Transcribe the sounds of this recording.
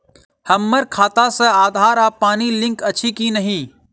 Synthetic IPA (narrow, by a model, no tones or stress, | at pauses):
həmːəɾkʰaːt̪asɐ̃aːd̪ʱaːɾaːpaːnilɪ̃ŋkɐt͡ʃʰikinɐɦĩː